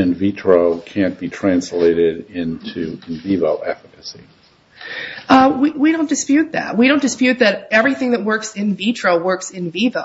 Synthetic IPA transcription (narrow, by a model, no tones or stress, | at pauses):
ɨ̃nvitʰɹ̥oʊkʰæ̃nb̥itʰɹ̥æ̃nsleɪɾɪɾɪ̃ntʰʉɨ̃nvivoʊʔɛfəkɨsḭ | ʌwiwiɾõʊ̃nd̥ɨspjʉt̪̚ðæ̰t̚wiɾõʊ̃nd̥ɨspjʉt̪̚ðɨɾɛvɹiθɪ̃ŋðɨt̚wɜ˞ksɪ̃nvitʰɹ̥oʊwɜ˞ksɨ̃nvivə̰